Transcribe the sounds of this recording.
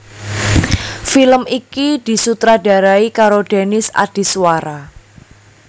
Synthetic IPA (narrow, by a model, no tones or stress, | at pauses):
filəmikid̪̥i̤sut̪ɾad̥a̤ɾaikaɾoɖ̥e̤nɪsa̰d̥i̤swaɾa